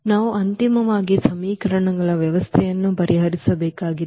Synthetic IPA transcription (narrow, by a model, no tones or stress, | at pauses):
naːʋuʔɐnt̪imɐʋaːɡisɐmiːkɐɾɐɳɐɡɐɭɐʋjɐʋɐst̪ʰɛjɐnːupɐɾʔiɦɐɾisɐbɛːkaːɡi